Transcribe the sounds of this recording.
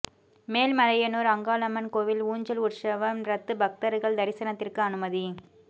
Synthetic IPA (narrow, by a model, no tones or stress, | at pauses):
meːlmɐlɐjɐnoːɾɐŋɡaːlɐmɐnkoːʋɪluːɲd͡ʒɐlʊrʂɐʋɐmɾɐt̪ːɯbɐk̚t̪ɐɾɯɣɐɭd̪ɐɾɪsɐnɐt̪ːɪrkɯɐnɯmɐði